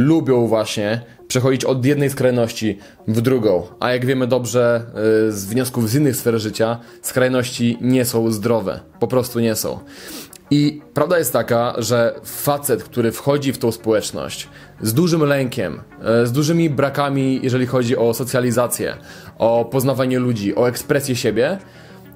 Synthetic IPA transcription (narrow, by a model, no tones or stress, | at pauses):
lubʲjɔ̃w̃vwaɕɲɛ | pʂɛxɔd͡ʑit͡ɕɔd̪jɛd̪nɛjskɾajnɔɕt͡ɕi | vd̪ɾuɡɔ̃w̃ʔa̰jaɡvʲjɛmɘd̪ɔbʐɛzvɲɔskuvzinːɘxsfɛɾʐɘt͡ɕa | skɾajnɔɕt͡ɕiɲɛsɔ̃w̃zd̪ɾɔvɛ̰pɔpɾɔst̪uɲɛsɔ̰̃w̃ | ipɾavd̪ajɛst̪ːakaʐɛfat̪sɛt̪kt̪uɾɘfxɔd͡ʑift̪ɔ̃w̃spɔwɛt͡ʂnɔ̰ɕt͡ɕ | zd̪uʐɘmlɛŋkʲɛ̰mzd̪uʐɘmʲibɾakamʲijʔɛʐɛlʲixɔd͡ʑiʔɔsɔt̪sʲjalʲizat̪sʲjɛ̰ʔɔpɔznavaɲɛlud͡ʑiʔɔɛkspɾɛsʲjɛɕebʲjɛ